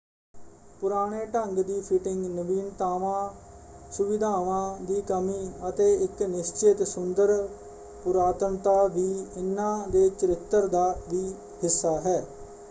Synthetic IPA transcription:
pʊɾaːɽ̃eːʈəŋɡd̪iːpʰɪʈɪŋɡnəbiːnt̪aːʋãːsʊʋɪd̪ʱaːʋãːd̪iːkəmiːət̪eːɪknɪst͡ʃɪt̪sʊnd̪əɾ | pʊɾaːt̪əɳt̪aːʋiːɪnːãːd̪eːt͡ʃəɾɪt̪ːəɾd̪aːʋiː | hɪsːaːɦɛː

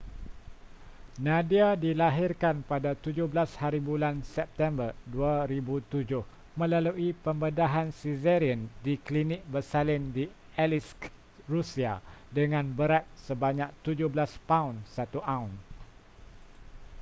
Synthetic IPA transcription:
nãdiadilaɦɪrkanpadat̪ud͡ʒʊhbəlashaɾibulansɛp̚t̪ɛmbərduaɾibut̪ud͡ʒʊh | mə̃laluʔipəmbədaɦansizɛɾiəndiklinɪk̚bərsalɪndi | ɛlis | rusiadəŋãnbəɾat̪̚səbaɲãk̚t̪ud͡ʒʊhblaspaunsat̪uʔaũn

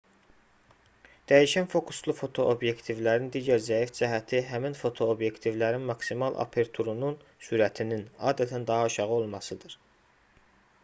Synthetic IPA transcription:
d̪̥æjiʃænfo̞kʰu̥st̪lˠufo̞t̪ʰo̞ʔobje̞kt̪ʰivlæɾind̪iːɟæɾzæifd͡ʒæɦæt̪ʰiɦæminfo̞t̪ʰo̞obje̞kt̪ʰivlæɾinmɑksimɑlˠʔɑ̰pʰe̞ɾt̪ʰuɾununsyɾæt̪ʰininɑːd̪æt̪ʰænd̪ɑɦɑʃɑʁɯo̞lˠmɑsɯd̪ɯɾ̥

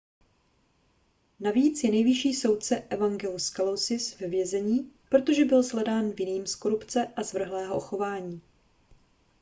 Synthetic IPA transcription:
naviːt͡sjɛnɛjvɪʃiːso̞wt̪̚t͡sɛʔɛvaŋɡɛluskalowsɪsvɛvjɛzɛɲiːpɾo̞t̪o̞ʒɛbɪlzlɛdaːnvjɪniːmsko̞ɾupt͡sɛʔazvr̩ɦlɛːɦoʔoxo̞vaːɲiː

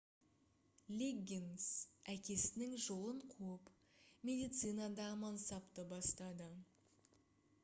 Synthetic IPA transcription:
lʲeɡʲinsækʲe̞sɪnɪŋʒo̞lˠəɴqʰup | mʲe̞d̪ijt̪sɨjnɑd̪ɑʁəmɑnsɑpt̪əbɑst̪ɑd̪ə

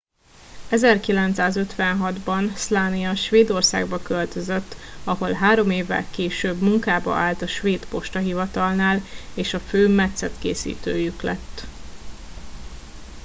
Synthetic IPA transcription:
ɛzɛrkilɛnt̪saːzø̞t̪ʋɛnɦɒd̪bɒnslaːnijɒʃʋeːd̪o̞rsa̰ːɡbɒkølt̪ø̞zøt̪ːɒɦo̞lɦaːɾo̞meːvːɛ̰lkeːʃøːbmuŋkaːbɒ̰ʔaːlt̪ɒʃʋeːd̪po̞ʃt̪ɒɦivɒt̪ɒlnaːleːʃɒføːmɛt̪sɛt̪kḛːsḭːt̪ø̰ːjyklɛ̰t̪ː

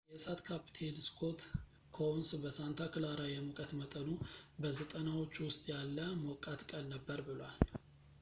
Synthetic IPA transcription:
jɛsat̪kʰapi̥t̪ʰe̞lskʰo̞t̪ | kʰonsbəsant̪ʰakɨlaɾajɛmukʼət̪mət̪ʼənubəzət̪ʼənawo̞t͡ʃːwʊst̪ʼjalːəmokʼat̪kʼəlnəbːəɾbɨlwal

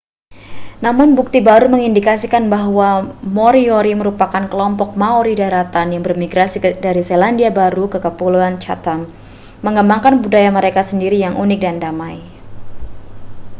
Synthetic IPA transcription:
namʊnbuk̚t̪ibaɾuməŋindikasikanbaɦwamoɾioɾiməɾupakankəlɔmpɔk̚maoɾidaɾat̪anjaŋbərmiɡɾasidaɾiselandiabaɾukəkəpuluant͡ʃa̰t̪an | məŋəmbaŋkanbudajaməɾekasəndiɾijaŋʔunɪk̚dandamaj

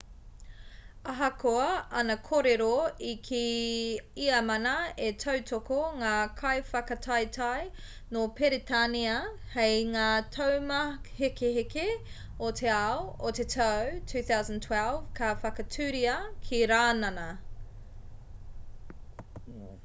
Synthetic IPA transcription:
ɐɦɐkʰoɐɐnɐkʰoɾeɾoikʰi | iɐmɐnɐetʰɐwtʰokoŋaːkʰɐjfɐkɐtʰɐjtʰaj | nopʰeɾitʰaniɐhejŋaːtʰowmɐhekeɦeke | ot̪ʰeaootetʰɐwtʰʉːθawzə̃ntʰwɛlˠv̥kʰɐfɐkɐtʰʉːɾiɐkʰiɾaːnɐnɐ

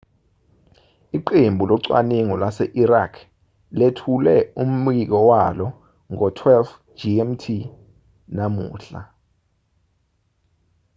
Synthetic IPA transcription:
iǃembʱulɔǀwa̰neŋɔlwasɛʔirakʰ | letʰulɛum̩ik̬ɔwalɔ | ŋɔtʰwɛlf | d͡ʒiɛmtʰi | namṵːɬa̰

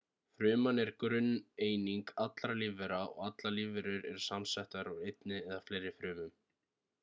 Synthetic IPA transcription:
fɾʏːmanɛɾkɾʏnːeːjniŋkat̪laɾlɪvɛɾaɔ̰ɣat̪lalɪvɛɾʏɾɛɾ̥samsɛht̪aɾawejt̪̚nɪɛðaflejɾɪfɾʏːmʏm

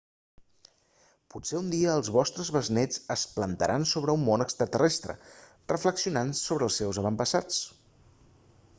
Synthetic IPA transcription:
puseund̪iəːlˠzβɔst̪ɾəzβəznɛd͡zəsplənt̪əɾʔansoβɾəumːonəkst̪ɾət̪ərʔɛst̪ɾə̰ | rəfləksiunansoβɾəːlˠsewzəβəmpəsat͡s

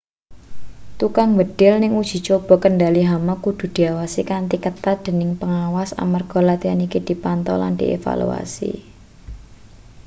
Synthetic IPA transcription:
t̪ukaŋbəɖ̥ɪlnɪŋud̥ʒ̥i̤t͡ʃob̥ɔ̤kənɖaliɦamakud̪̥ṳd̪̥i̤awasikant̪ikət̪ad̪̥e̤nɪŋpəŋawasa̰marɡ̥ɔ̤lat̪ianikid̪̥i̤pant̪ɔ̰la̰nd̪̥ḭʔḛfa̰lṵa̰sḭ

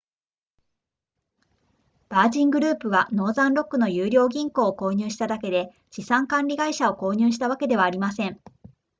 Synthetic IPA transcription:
b̥aːʑĩŋɡɯ̟ɾɯ̟ːpɯ̟βano̞ːzãnɾo̞kːɯ̟no̞jɯːɾʲo̞ːɡʲĩŋko̞ːko̞ːɲ̟ɨːɕi̥t̪ad̪ake̞d̪e̞ | t͡ɕisãŋkãnʲɾʲiɡaiɕao̞ko̞ːɲ̟ɨːɕi̥t̪aβ̞ake̞d̪e̞βaːɾʲimasẽ̞ɴ

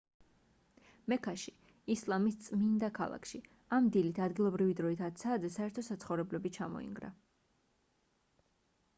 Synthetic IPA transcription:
mɛkʰaʃi | islˠamist̪sʼmind̪akʰa̰lˠa̰kʃi | amd̪ilit̪ʰad̪ɡilˠɔbɾivid̪ɾɔit̪ʰat̪sʰaːd̪zɛsaɛɾt̪ʰɔsat̪sχɔvɾɛblɛbit͡ʃʰamɔ̰ḭŋɡɾa̰

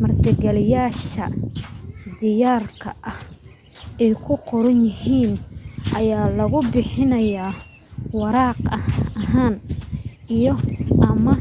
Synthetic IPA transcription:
mɐrt̪ʰɪɡɛlɪjaːʃɐ̰ | d̪ɪjaːrkʰɐ̰ʔɐh | ɛjkʰʊqɔɾɐnjɪhiːnʔɐjaːlɐɣʊbɪħɪnɐjaː | wɑɾɑːqɐɦaːn | ijɔʔɐmɐ

